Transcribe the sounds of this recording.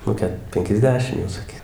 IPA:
nʊ ˈkʲɛt pʲɛŋʲkʲɛzʲˈdʲæːʃʲɪm jɛʊ sɐˈkʲiː

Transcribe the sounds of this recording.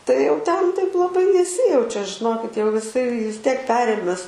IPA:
tɐɪ jɛʊ ˈtʲɛn tɐɪp lˠɐˈbɐɪ nʲɛˈsʲɪjɛʊt͡ʃʲɛ ʒʲɪˈnoːkʲɪt jɛʊ jɪˈsɐɪ ʋʲɪs ˈtʲiɛk ˈpʲæːrʲeːmʲɛs

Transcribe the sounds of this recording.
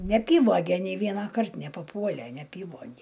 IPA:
nʲɛɐˈpʲiːʋoːɡʲɛ nʲɛɪ ˈʋʲiɛnɐkɐrt nʲɛpɐˈpuɔlʲɛ nʲɛɐˈpʲiːʋoːɡʲɛ

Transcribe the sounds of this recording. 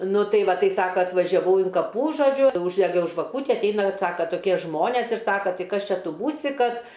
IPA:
ˈnʊ ˈtɐɪ ˈʋɐ ˈtɐɪ ˈsɑːkɐ ɐtʋɐʒʲɛˈʋɐʊ ɪn kɐˈpuː ʒoːˈd͡ʒʲʊ uːʒʲdʲɛˈɡʲɛʊ ʒʋɐˈkuːtʲɪ ɐtʲˈɛɪnɐ ˈsɑːkɐ toːˈkʲiɛ ˈʒmoːnʲeːs ɪr ˈsɑːkɐ ˈtɐɪ ˈkɐs ˈt͡ʃʲɛ ˈtʊ ˈbuːsʲɪ ˈkɐt

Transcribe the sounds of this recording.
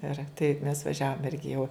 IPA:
ɪr tɐɪp mʲɛs ʋɐˈʒʲæːʋoːm ˈɪrʲɡʲɪ jɛʊ

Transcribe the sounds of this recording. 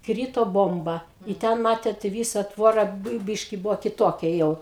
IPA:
ˈkrʲiːtoː ˈboːmbɐ ɪ ˈtʲɛn mɐtʲeːt ɪ ˈʋʲiːsɐ ˈtʋoːrɐ ˈbɘɪ ˈbʲiːʃʲkʲɪ ˈbʊʋoː kʲɪˈtoːkʲɛ ˈjɛʊ

